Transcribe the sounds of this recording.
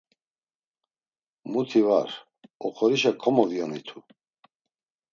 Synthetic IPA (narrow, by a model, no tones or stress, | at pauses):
mut̪ʰivaɾ | ɔχʰɔɾiʃ̬akʰɔmɔvjɔnit̪ʰu